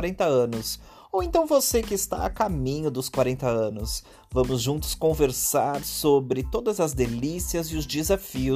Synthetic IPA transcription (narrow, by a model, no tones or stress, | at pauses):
ɾẽnt̪ɐɐ̃nʊs | owẽnt̪ɐ̃w̃vosekɪːst̪a̰ɐ̰kamĩɲʊd̪ʊskwaɾẽnt̪ɐɐ̃nʊs | vɐ̃mʊzʒũnt̪ʊ̥skõveɾsaɾsobɾɪt̪od̪ɐzɐzd̪elisiɐzɪʊzd͡ʒɪzafiʊ